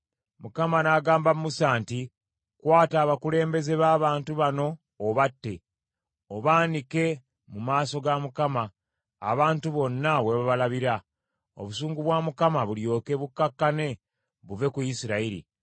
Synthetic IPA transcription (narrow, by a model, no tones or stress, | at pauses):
mukamanaːɡaːmbamumusaːnti | kwaːtaːβakule̞ːmbe̞ze̞βaːβaːntuβano̞ː | βatːe̞ | o̞βaːndike̞ | mumaːso̞ɡamukama̰ː | βaːntuβo̞nːaβwe̞βaβalaβiɾa | o̰βusuːŋɡuβwaːmukamaβuljo̞ːke̞βukːakːane̞ | βuve̞kujisiɾaiɾḭ